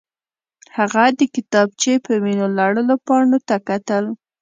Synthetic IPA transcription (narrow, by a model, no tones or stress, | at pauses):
haɣad̪əkɪt̪ɑb̚t͡ʃepəminolɑɽəlopɑɳot̪akat̪əl